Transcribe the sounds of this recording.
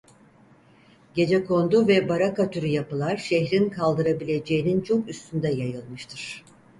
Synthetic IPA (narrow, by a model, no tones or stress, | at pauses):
ɟe̞d͡ʒɛkʰo̞nd̪uvɛbaɾakat̪ʰyɾyjapɯlˠaɾʃɛçɾinkʰalˠd̪ɯɾabilʲe̞d͡ʒe̞jinint͡ʃʰo̞kyst̪ʰynd̪ɛjajɯlˠmɯʃt̪ʰɯɾ̥